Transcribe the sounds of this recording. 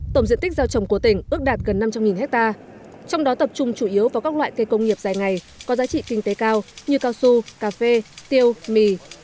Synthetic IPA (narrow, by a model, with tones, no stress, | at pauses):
t̪o˧˩mzḭ˧˨t̪i˦˥k̚zaː˧wt͡ɕə˨˩wŋ͡mku˧˩ət̪ï˧˩ŋ̟ʔɨ˦˥ək̚ɗaː˨˩t̚ɣə˨˩nːa˧mt͡ɕa˧mŋi˨˩nhɛ˦˥k̚t̪aː˧ | t͡ɕɔ˧wŋ͡mɗɔ˨˦t̪ə˨˩p̚t͡ɕʊ˧ŋ͡mt͡ɕu˧˩ʔi˨˦əwvaː˨˩wkaː˦˥k̚lwa̰ː˧˨jke˧kə˧wŋ͡mŋi˨˩əp̚zaː˨˩jŋa˨˩j | kɔ˨˦zaː˨˦t͡ɕḭ˧˨kï˧ŋ̟t̪e˨˦kaː˧wɲɨ˧kaː˧wsu˧kaː˧fe˧t̪i˧əwmi˧˩